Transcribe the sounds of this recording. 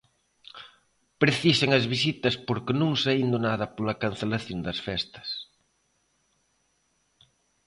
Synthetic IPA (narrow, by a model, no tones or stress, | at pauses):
pɾeθiseŋɐzβis̬it̪ɐspoɾkenũŋsaind̪onaðɐpolɐkanθelaθjond̪ɐsfɛst̪ɐ̥s